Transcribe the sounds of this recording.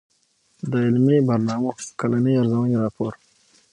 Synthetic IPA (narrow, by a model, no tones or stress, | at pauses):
d̪əɪlmibɐɾnɑːmaxkalaniaɾzawaniɾɑːpʰoːɾ